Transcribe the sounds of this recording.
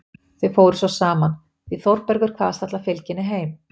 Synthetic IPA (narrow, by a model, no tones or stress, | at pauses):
θʏfoːwɾʏsɔsaːman | θiθɔwɾpɛɾɣʏɾ̥kʰvaːðast̪at̪lafɪlcɪnːɪɦeːjm